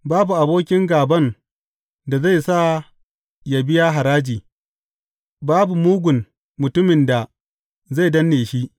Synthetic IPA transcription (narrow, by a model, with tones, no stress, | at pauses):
baː˦bu˨ʔa˨boː˦kʲɪ˦ŋɡaː˨bɐ˦˨n | da˨za˦˨jsa˦˨ | ja˨bɪ˦ja˦ɦa˨ɾaː˦d͡ʒiː˨ | baː˦bu˨muː˦ɡʷʊ˨n | mʊ˨tʊ˦mɪ˨nda˨ | za˦˨jdɐ˦nːeː˨ʃi˦ʔ